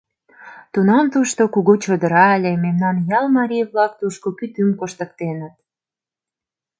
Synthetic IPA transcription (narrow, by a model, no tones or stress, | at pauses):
t̪unɑmt̪uʃt̪okuɣot͡ɕod̪əɾɑlʲememnɑnjɑlmɑɾʲijβlɑk̚t̪uʃkokyt̪ymkoʃt̪ə̆k̚t̪enə̆t̪̚